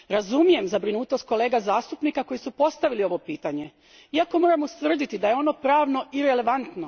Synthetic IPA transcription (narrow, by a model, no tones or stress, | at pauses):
ɾazumije̞mzabɾinuːt̪o̞st̪̚ko̞le̞ːɡazaːst̪upnikako̞jisupo̞st̪aʋilio̞ʋo̞piːt̪aɲe̞ | iako̞mo̞ːɾamust̪ʋr̩d̪it̪id̪ajeo̞no̞pɾaːʋno̞ʔiɾe̞le̞ʋant̪no